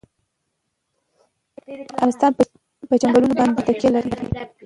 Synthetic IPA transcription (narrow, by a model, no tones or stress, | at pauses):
aanɪst̪ɑn | pət͡ʃaŋɡalunobɑnd̪et̪akjɑlaɾiɾḭ